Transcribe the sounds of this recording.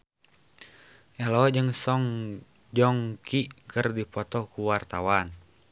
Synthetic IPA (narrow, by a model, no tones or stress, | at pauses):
ʔɛlɔd͡ʒəŋsɔŋ | d͡ʒɔŋkʰikərdipɔt̪ɔkuwart̪awan